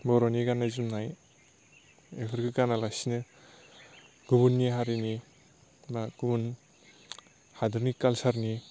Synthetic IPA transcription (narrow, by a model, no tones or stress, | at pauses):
bɔɾoniɡanazumnaj | ekʰɯɾɡɯɡanalasinɯ | ɡ̥ubunːiɦaɾini | maɡ̥ubun | hadɯɾnikalsaɾni